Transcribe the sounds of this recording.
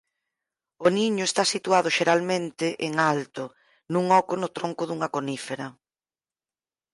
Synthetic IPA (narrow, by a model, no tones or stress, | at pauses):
ʊniɲʊest̪asit̪uaðʊʃeɾalmẽnt̪ɪʔeŋalt̪ʊ | nũŋɔkʊnʊt̪ɾoŋkʊðuŋɐkonifeɾɐ